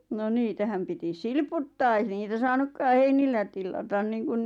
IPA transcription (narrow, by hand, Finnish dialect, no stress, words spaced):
no niːtæhæm piti silputːɑː ei niːtæ sɑːnukːɑː heinilːæ tilːɑtɑn niːŋkun